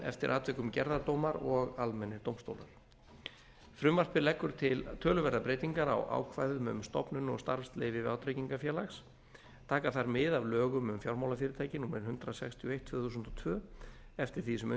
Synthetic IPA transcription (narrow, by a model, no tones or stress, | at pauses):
ɛ̰ft̪ɪɾʔaːt̪vɛkʏmcɛɾðaɾt̪owmaɾɔɣalmɛnːɪɾt̪owmst̪o̰wla̰ɾ̥ | fɾʏmvar̥pɪɾlɛkːʏɾ̥t̪ʰɪlt̪ʰœːlʏvɛɾðapɾeːjt̪iŋkaɾa̰wʔa̰ːwkʰvaːjðʏmʏʏmst̪ɔ̰pnʏnɔ̰ɣst̪aɾfst̪lejvɪvaːwt̪ɾejciŋkafjɛːlaxs | t̪ʰaːkaθaɾmɪðavlœːɣʏmʏmfjawɾmaːwlafɪːɾɪt̪ʰaːjcɪnuːmɛɾɪnhʏnt̪ɾasɛkst̪ʰjɔejht̪ʰːvœːθuːsnt̪ɔt̪ʰvœː | ɛft̪ɪɾ̥θisʏmœ